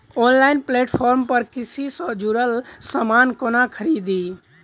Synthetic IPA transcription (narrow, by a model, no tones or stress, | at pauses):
onlaɪnpleʈpʰɔɾmpəɾkɾisisə̃d͡ʒuɾəlsəmankonakʰəɾid̪i